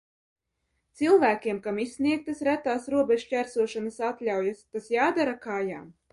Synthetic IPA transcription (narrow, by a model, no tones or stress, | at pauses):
t̪sɨlˠvæːkʲiɛmkamisːniɛk̚t̪ɐsɾæt̪aːsɾuɔbʲeʒcʲæɾsuɔʃanasat̪lʲawjast̪asjaːd̪aɾakajaːm